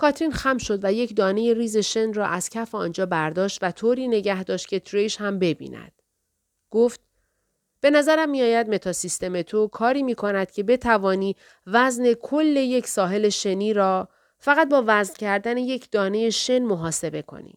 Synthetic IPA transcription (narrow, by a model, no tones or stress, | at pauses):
kʰɒːt̪ɾinxæmʃo̞d̪væjecd̪ɒːne̞je̞ɾiːze̞ʃe̞nrɒːʔæz̥cʰæfeɒ̰ːnd͡ʒɒːbæɾd̪ɒːʃt̪væt̪ʰoːɾiːne̞ɟæhd̪ɒːʃt̪̚cʰe̞t̪ʰɾejʃhæmbe̞bḭːnæ̰d̪̥ | ɡ̥oft̪̚ | b̥e̞næzæɾæmːijɒːjæd̪̚me̞t̪ʰɒsist̪e̞me̞t̪ʰokʰɒːɾiːmiːkʰo̞næd̪̥cʰe̞be̞t̪ʰævɒːniː | væzne̞kʰolːe̞je̞cʰsɒːɦe̞le̞ʃe̞niːɾɒː | fæɣæt̪̚bɒːvæzncʰæɾd̪æne̞je̞cʰd̪̥ɒːne̞je̞ʃe̞nmoɦɒːse̞be̞kʰo̰nḭ